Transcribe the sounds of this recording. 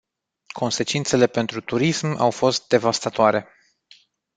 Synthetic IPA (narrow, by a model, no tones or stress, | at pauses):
kʰo̞nse̞t͡ʃint̪se̞le̞pe̞nt̪ɾut̪uɾisma̰wfo̞st̪̚d̪e̞vast̪at̪oaɾe̞